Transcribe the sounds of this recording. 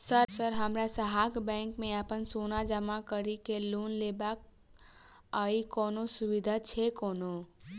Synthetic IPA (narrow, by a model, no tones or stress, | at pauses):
səɾsəɾɦəmɾasəɦaːkbɛ̃ːŋkmẽapənsoːnad͡ʒəmakəɾikeloːnlebak̚ | aːikɔːnosuʋid̪ʱat͡ʃʰekɔːno